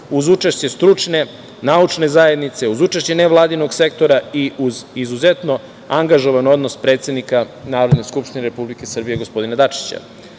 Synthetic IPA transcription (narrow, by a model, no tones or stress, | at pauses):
uzut͡ʃeʃt͡ɕe̞st̪ɾut͡ʂne̞ | naut͡ʂne̞zaje̞d̪nit̪se̞uzut͡ʃaʃt͡ɕe̞neʋlˠaːd̪inoɡse̞k̚t̪o̞ɾaiʔuzizuze̞t̪no̞ | aŋɡaʒo̞ʋano̞d̪nospɾet̪sed̪nika | naːɾo̞d̪neskupʃt̪ineɾepublike̞sr̩bijeɡospo̞d̪inad̪at͡ʃi̥t͡ɕa̰